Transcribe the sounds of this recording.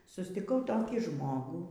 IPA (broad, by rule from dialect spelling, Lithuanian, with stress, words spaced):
sʊsʲtʲɪˈkɐʊ ˈtoːkʲiː ˈʒmoːɡuː